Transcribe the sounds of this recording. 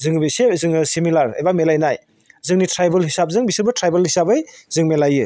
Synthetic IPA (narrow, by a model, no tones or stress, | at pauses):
zɯŋbesezɯŋsimilaɾɐ̰jbamelajnaj | zɯŋnitɾajbelhisap̚zɯŋbisɯlbɐtɾajbelhisabɯjzɯŋmelajɯ